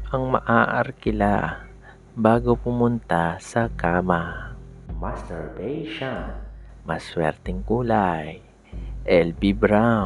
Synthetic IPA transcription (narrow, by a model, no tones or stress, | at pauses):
ʔɐŋmɐ̰ʔaːʔɐ̰ɾkɪla | baːɡopʊmʊnt̪asɐkaːma | mastɛɹbɛjʃanmɐswɛ̰ɾt̪ɛŋkuːlaj | ʔɛlbibɾa